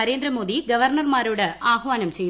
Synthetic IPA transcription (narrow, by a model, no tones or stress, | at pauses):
ɐɾeːnd̪ɾɐmo̞ːd̪iɡɐʋɐrɳɐrmaːɾoːɽɨʔaːhʋaːnɐmt͡ɕe̞j